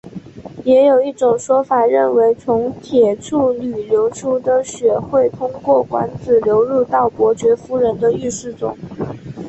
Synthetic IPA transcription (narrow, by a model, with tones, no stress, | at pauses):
jɛ˧˥jo˨˩ʊi˥˩ʈ͡ʂʊ˨˩ŋʂwɔ˥fa˨˩ɻə˥˩nwe˧˥ɪt͡sʰʊ˧˥ŋt̪ʰjɛ˨˩ʈ͡ʂʰu˥˩ly˨˩ljo˧˥ʊʈ͡ʂʰu˥d̪ə˨ɕɥɛ˨˩xwe˥˩ɪt̪ʰʊ˥ŋkwɔ˥˩kwa̰˧˥nt͡sɹ̩˨˩ljo˧˥ʊɻu˥˧t̪ɑ˥˩ʊpwɔ˧˥t͡ɕɥɛ˧˥fu˥ɻə˧˥nd̪ə˧y˥˧ʂɻ̩˥˩t͡sʊ̰˨˩˦ŋ